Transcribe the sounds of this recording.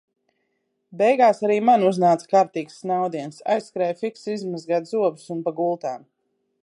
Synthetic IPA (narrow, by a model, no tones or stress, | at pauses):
bɛjɡaːsaɾiːmanuznaːt̪sḁkaːɾt̪iːksnawd̪iɛnsa̰jsːkɾɛjfiksizmazɡaːt̪zuɔbusunpaɡulˠt̪aːm